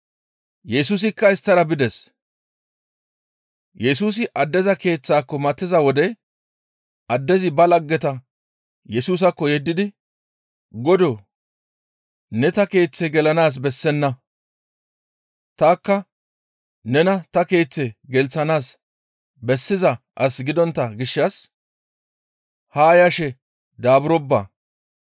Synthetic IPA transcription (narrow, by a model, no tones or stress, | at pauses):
jɛsuːs̬ɪkːɐɪst̪ːɐɾɐbɪd̪ɛs | jɛs̬uːs̬ɪʔɐd̪ːɛzɐke̞ːt͡sːaːkːɔmɐt̪ːɪzɐwɔd̪ɛ | ʔɐd̪ːɛzɪbɐlɐɡːɛt̪ɐ | jɛsuːs̬ɐkːɔjɛd̪ːɪd̪ɪ | ɡɔd̪oː | nɛt̪ɐke̞ːt͡sːɛɡɛlɐnaːs̬bɛsːɛnːɐ | t̪aːkːɐ | nɛnɐt̪ɐke̞ːt͡sːɛɡɛlt͡sːɐnaːs | bɛsːɪzɐ | ʔɐsɡɪd̪ɔnt̪ːɐɡɪʃːɐs | haːjɐʃɛ | d̪aːbʊɾɔbːa̰